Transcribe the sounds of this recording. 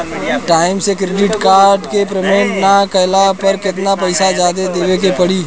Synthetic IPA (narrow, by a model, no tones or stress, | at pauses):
ʈaːɪmsekɾeɖɪʈkaːɾɖkepɾəmeːɳʈnakəjlapɐɾkɪt̪napɐɪsad͡ʒaːd̪ed̪eːʋekepɐɽiː